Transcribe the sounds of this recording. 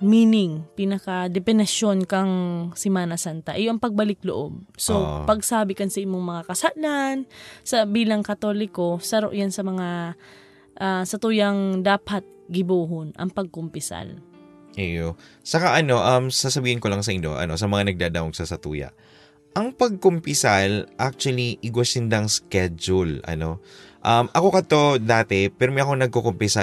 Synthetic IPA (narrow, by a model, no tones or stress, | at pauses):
miːnɪŋpinɐkɐd̪ɛpɛnɐʃo̞nkɐŋsɪmaːnɐsant̪ɐʔɪjoʔɐŋpɐɡ̚bɐlɪk̚loʔob̚sopɐɡsaːbɪkɐnsɐʔɪmːoŋmɐŋakɐsaʔlansɐbiːlɐŋkɐt̪o̞lɪko̞sɐɾoʔjansɐmɐŋa | ʔasɐt̪uːjɐŋd̪aːpɐt̪̚ɡɪbuːɦonʔɐ̰ŋpɐɡ̚kompɪsa̰l | ʔɛjosɐkaʔɐno̞ʔɐmsasɐbiːhɪnkolɐŋsɐʔɪnɲo̞̰ʔɐ̰no̞sɐmɐŋanɐɡ̚d̪aːd̪awoɡsɐsɐt̪ṵːjɐ̰ʔ | ʔɐŋpɐɡ̚kompɪsalʔak̚t͡ʃʊɐliʔɪɡwɐsɪnd̪ɐŋskɛd͡ʒʊlʔɐ̰no̞ʔɐmʔɐko̞kɐt̪o̞d̪aːt̪ɛpɛɾomɛjʔɐkoŋnɐɡ̚kokompɪsa